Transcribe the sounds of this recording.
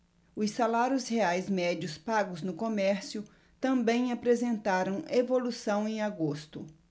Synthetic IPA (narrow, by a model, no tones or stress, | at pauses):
ʊssalaɾjʊsheajzmɛd͡ʒʊspaɡʊznʊkomɛɾsjʊ | t̪ɐ̃mbẽj̃apɾezẽnt̪aɾɐ̃w̃evolusɐ̃w̃ẽj̃aɡost̪ʊ̰